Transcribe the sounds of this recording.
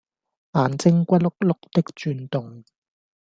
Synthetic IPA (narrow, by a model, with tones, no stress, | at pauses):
ʔaː˨nt͡sɪ˥ŋkʷɐ˥t̚lʊ˥k̚lʊ˥k̚t̪ɪ˥k̚t͡ʃyː˧nt̪ʊ˨ŋ